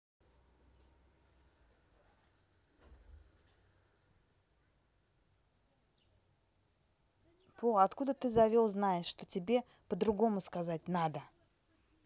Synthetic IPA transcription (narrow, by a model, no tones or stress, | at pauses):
pʰoɐt̪kud̪ət̪ɨzɐvʲolˠznajɪʂʂt̪o̞tʲɪbʲe̞ | pəd̪ɾʊɡo̞mʊskɐzat̚ʲnad̪ə